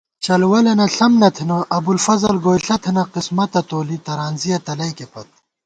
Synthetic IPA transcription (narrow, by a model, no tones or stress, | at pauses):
t͡ɕɐlwɐlenɐɬɐmnɐt̪ʰinɐʔɐbulfɐzɐlɡoːjɬɐt̪ʰenɐqismɐt̪ɐt̪oːlit̪ɐɾaːnzijɐt̪ɐlɐjkepɐt̪̚